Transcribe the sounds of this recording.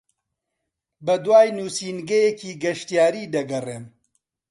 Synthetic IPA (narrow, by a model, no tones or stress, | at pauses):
bɐd̪waːjnuːsiːnɡɐjekʰiːɡɐʃt̪jaːɾiːd̪ɐɡɐreːm